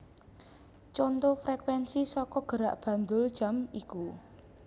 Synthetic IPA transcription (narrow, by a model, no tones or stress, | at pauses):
t͡ʃont̪ofɾekwɛnsisɔkɔɡ̥ə̤ɾaʔb̥ä̤nd̪ʊld̥ʒ̥a̤miku